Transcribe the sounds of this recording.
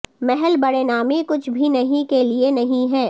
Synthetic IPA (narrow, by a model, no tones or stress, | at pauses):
mɛɦɛlbɐɽeːnaːmekʊt͡ʃʰbʱinɐɦĩkelienɐɦĩɦɛː